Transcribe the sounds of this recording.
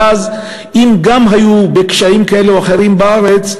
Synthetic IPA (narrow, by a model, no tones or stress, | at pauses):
az | ʔimɡamɦajube̞kʃaimkae̞leoaχe̞ʁimbaaʁe̞t͡s